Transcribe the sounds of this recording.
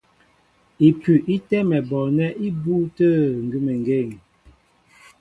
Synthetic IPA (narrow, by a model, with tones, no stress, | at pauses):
i˨pʉ˨ʔi˦tɛ˦mɛ˨bɔ˨nɛ˦ʔi˦bu˦tə˦ŋ̩˨ɡʉ˦mə˨ŋɡe˦˨ŋ